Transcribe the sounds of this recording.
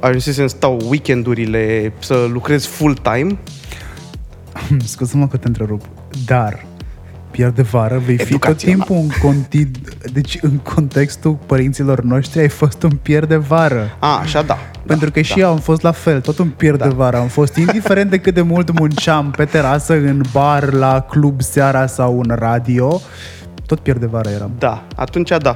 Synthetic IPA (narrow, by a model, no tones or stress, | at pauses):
aʒusis̬eɨnst̪awwikʲend̪uɾile̞səlukɾe̞z̥fult̪ajm | mskuzməkət̪ent̪ɾe̞ɾup | d̪ar | pje̞rd̪e̞vaɾəve̞jfiit̪o̞t̪ːimpuɨŋkont̪id̪d̪e̞t͡ʃʲɨŋkʰo̞nt̪e̞kst̪upəɾint̪silo̞rno̞ʃt̪ɾiajfo̞st̪unpje̞rd̪e̞vaɾəaa̰ʃad̪a̰ | pe̞nt̪ɾukəʃijewamfo̞st̪lafe̞lt̪o̞t̪unpje̞rd̪evaɾəamfo̞st̪ind̪ife̞ɾent̪d̪ekɨt̪̚d̪e̞mult̪munt͡ʃampe̞t̪e̞ɾasəɨnbarlaklubseaɾasawɨnrad̪io̞ | t̪o̞t̪̚pjerd̪evaɾəje̞ɾa̰md̪aa̰t̪unt͡ʃad̪a